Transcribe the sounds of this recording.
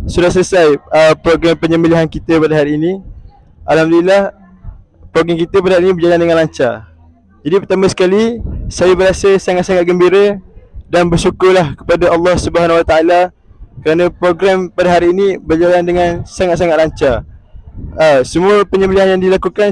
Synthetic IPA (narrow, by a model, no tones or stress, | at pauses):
sudahs̬ələsajəpɾoɡɾampəɲə̃mbəliɦankit̪əpadəɦaɾiːnĩ | ʔalhamd̪ulilah | pɾoɡɾɛŋkit̪əpadaɦaɾinĩbərd͡ʒalandəŋãnlaɲt͡ʃa̰ | d͡ʒadipərt̪amə̃sə̥kalisajabəɾasəsaŋat̪̚saŋat̪̚ɡəmbiɾədanbərsukʊrlahkə̥padaʔɑlːɑhsubəɦanwat̪aala | kəɾanə̃pɾoɡɾɛmpadəɦaɾiːnĩbərd͡ʒalandəŋãnsaŋat̪̚s̬aŋat̪̚laɲt͡ʃa | əsəmuəpəɲəmbəliɦanjaŋdilakukan